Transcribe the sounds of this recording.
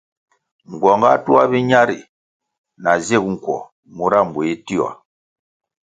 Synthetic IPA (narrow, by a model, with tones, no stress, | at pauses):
ŋ˨ɡwɔ˨ŋɡa˦tu˦a˦bi˦ɲa˦ɾi˨ | na˨ze˦˨kŋ̩˨kwɔ̰˨ | mu˦ɾa˦˨m˨bu˨i˦ti˦a̰˨